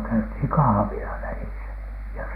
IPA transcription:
kæythiˑŋ kɑhɑ̆ʋilɑ ʋælisæ jɑ

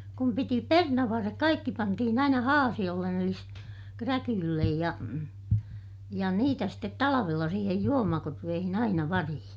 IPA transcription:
kum piti pernɑʋːɑrːek kɑikːi pɑntihin ɑinɑ hɑːsij̆olːen eli ste krækylːej jɑ jɑ niːtæ stet tɑlɑʋelːɑ siːhej juomɑkorʋeːhin ɑinɑ ʋɑrihĩː

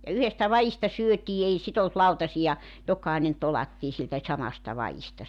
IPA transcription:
jɑ yhestæ ʋɑistɑ syøtiː ei sit olt lɑutɑsijɑ jokˑɑinen tolɑtːiː siltæ sɑmɑstɑ ʋɑistɑ

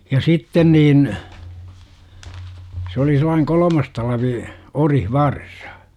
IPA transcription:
jɑ sitːen niːn s oli selˑɑiŋ kolomɑs tɑlʋi orihʋɑrsɑ̥

